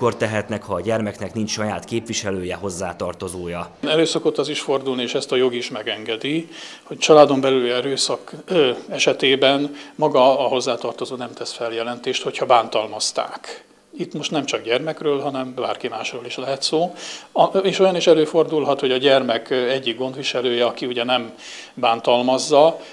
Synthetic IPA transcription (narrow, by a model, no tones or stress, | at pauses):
kːo̞rt̪ɛɦɛt̪nɛkhɒːɟɛrmɛknɛknint͡ʃʃɒjaːt̪keːpvʋiʃɛløːjɛɦo̞zːaːt̪ɒrt̪o̞zoːjɒnɛløːsɒko̞t̪ːɒziʃfo̞rd̪ulnieːʃɛst̪ɒjo̞ɡiʃmɛɡɛŋɡɛd̪iho̞ct͡ʃɒlaːd̪o̞mbɛlylɛɾøːsɒkɛʃɛt̪eːbɛnmɒɡɒːɦo̞zːaːt̪ɒrt̪o̞zoːnɛmt̪ɛsfɛljɛlɛnt̪eːʃt̪ho̞chɒbaːnt̪ɒlmɒst̪a̰ːk | it̪mo̞ʃt̪nɛmt͡ʃɒɡɟɛrmɛkrøːlɦɒnɛmba̰ːrkimaːʃroːliʃlɛɦɛt̪soː | eːʃo̞jɒniʃɛløːfo̞rd̪ulɦɒt̪ho̞ɟɒɟɛrmɛkɛɟːiɡɡo̞nd̪ʋiʃɛløːjɛɒkiuɟɛnɛm | baːnt̪ɒlmɒzːɒ